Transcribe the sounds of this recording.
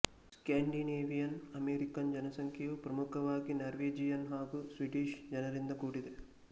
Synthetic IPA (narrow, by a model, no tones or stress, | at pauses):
skaːɳɖineːʋijɐnɐmeːɾikɐnd͡ʒɐnɐsɐŋkʰjɐʋupɾɐmukʰɐʋaːɡinɐɾʋeːd͡ʒijɐnɦaːɡusʋiʈiːʃd͡ʒɐnɐɾind̪ɐkuːɽid̪e